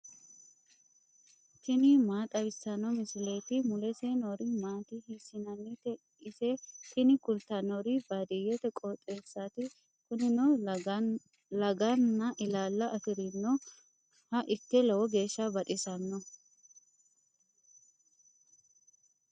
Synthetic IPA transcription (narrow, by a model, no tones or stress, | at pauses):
t̪ɪnɪmaːt̪ʼɐbɪsɐnɔmɪsɪlejt̪ɪmʊlɛseːnɔɾɪmaːt̪ɪhɪsɪnɐnːɪt̪ɛ | ɪsɛt̪ɪnɪkʊlt̪ɐnɔɾɪbad̪ɪjɛt̪ɛkʼot̪ʼːeːsːat̪ɪ | kʊnɪnɔ | lɐɡɐnːɐʔɪlaːlːɐʔɐfɪɾɪnːɔ | hɐʔɪt̪ːɛlɐwɔɡe̞ːʃːɐbɐt̪ʼɪsɐnːɔ